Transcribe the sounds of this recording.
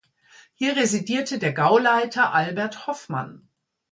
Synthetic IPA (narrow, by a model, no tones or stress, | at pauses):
hiːɐʁezidiːɐtʰədeːɐɡaʊlaɪtʰɐʔalbɛɐthɔfma̰n